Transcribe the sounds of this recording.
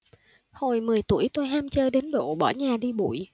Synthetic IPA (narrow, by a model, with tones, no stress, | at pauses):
ho˨˩jmɨ˨˩əjt̪u˧˩əjt̪o˧jɦaː˧mt͡ɕəː˧ɗe˨˦nɗo̰˧˨ɓɔ̰˧˩ɲaː˨˩ɗi˧ɓṵ˧˨j